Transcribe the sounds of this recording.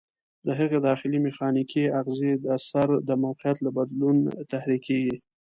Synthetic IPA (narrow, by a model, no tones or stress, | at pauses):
d̪əɦaɣed̪ɑxɪlimɪxɑnikʰiaɣzed̪asaɾd̪əmawqɪjat̪labad̪lunt̪ahɾikeɡi